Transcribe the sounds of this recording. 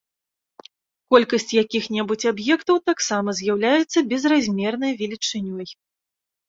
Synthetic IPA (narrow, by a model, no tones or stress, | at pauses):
kɔlʲkɐsʲt͡sʲjakʲixnʲɛbut͡sʲabjɛkt̪ɐwt̪aksamɐzʲjawlʲajɛt̪sːɐbʲɛzrazʲmʲɛrnɐjvʲɛlʲit͡ʂɨnʲɔj